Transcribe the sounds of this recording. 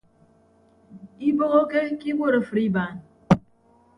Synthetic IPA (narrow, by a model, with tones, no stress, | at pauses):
i˦bo˦ɣo˦ke˦ki˦ŋʷo˦˨ɾo˨fɾi˦ba˨n˨